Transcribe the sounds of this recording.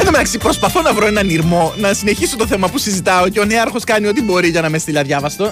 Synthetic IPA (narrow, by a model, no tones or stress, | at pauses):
eðomenɐksiipɾo̞spɐθo̞nɐvɾoe̞nɐniɾmo̞nɐsine̞çisot̪oθe̞mɐpusizit̪ɐoceoneɐɾxo̞skɐnio̞t̪ibo̞ɾiʝɐnɐmest̪ilɐðʝɐvɐst̪o̞